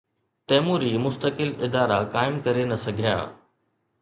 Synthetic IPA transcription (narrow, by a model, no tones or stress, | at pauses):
t̪ɛːmuːɾimʊst̪əkɪlɪd̪aːɾakaːɪmkɐɾenɐsɐɡʱija̰ː